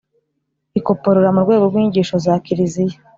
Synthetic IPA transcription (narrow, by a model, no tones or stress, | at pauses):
iko̞po̞ɾoɾamuɾɡwe̞ːɡo̞ɾɡwiːɲɟiːʃozakiɾizije